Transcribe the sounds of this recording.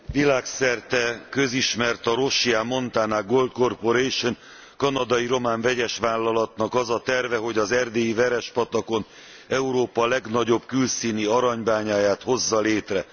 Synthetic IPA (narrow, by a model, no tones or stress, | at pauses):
vilaːksɛrt̪ɛkøziʃmɛrt̪ɒɾo̞ʃiaːmo̞nt̪aːnaːɡolt̪̚ko̞rpo̞ɾejʃon | kɒnɒd̪ɒjiɾo̞maːɱvɛɟɛʃʋaːlːɒlɒt̪nɒkɒzɒt̪ɛrvɛɦo̞ɟɒzɛrd̪eːjivɛɾɛʃpɒt̪ɒko̞n | ɛuɾoːpɒlɛɡnɒɟo̞bkylsiːniɒɾɒɲbaːɲaːjaːt̪ho̞zːɒleːt̪rɛ